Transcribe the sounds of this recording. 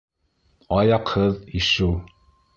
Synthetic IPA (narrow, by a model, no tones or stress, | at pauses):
ɑjɑqhɤðiʃɘw